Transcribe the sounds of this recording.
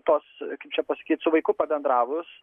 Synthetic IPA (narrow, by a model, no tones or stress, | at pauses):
t̪oːskɐɪp̚t͡ʃʲɛpɐsɐ̥kʲiːt̪sʊʋɐɪkʊpɐbʲɛnd̪ɾɑːʋʊs